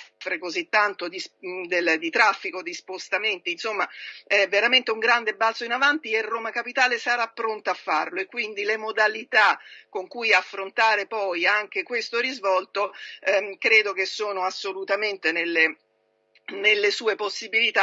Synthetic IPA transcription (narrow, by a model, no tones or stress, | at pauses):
fɾekozit̪ːant̪od̪isd̪eld̪it̪ɾafːikod̪ispost̪ament̪iːnsomːaɛvːeɾament̪euŋɡɾand̪ebalt̪soinavant̪ierːoːmakapit̪aːlesaɾapːɾont̪aafːa̰rloekːwind̪ilemod̪alit̪akːoŋkujafːɾont̪aːɾepɔjaŋk̟ekwest̪oɾizvɔlt̪o | kɾeːd̪ok̟esːoːnoasːolut̪ament̪enelːe | nelːesuːeposːibilit̪a